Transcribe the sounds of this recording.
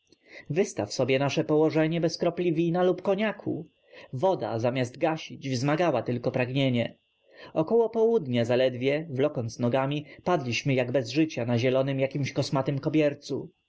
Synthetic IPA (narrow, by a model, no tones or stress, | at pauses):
vɘst̪afsɔbʲjɛnaʂɛpɔwɔʐɛɲɛbɛskɾɔplʲivʲinalupkɔɲakʰu | vɔd̪a̰zamʲjazd̪̚ɡaɕid͡ʑvzmaɡawat̪ɘlkɔpɾaɡɲeɲɛ | ɔkɔwɔpɔwud̪ɲazalɛd̪vʲjɛvlɔkɔnt̪snɔɡamʲipad̪lʲiɕmɘjaɡbɛzʐɘt͡ɕanaʑɛlɔnɘmjakʲimɕkɔsmat̪ɘmkɔbʲjɛɾt̪su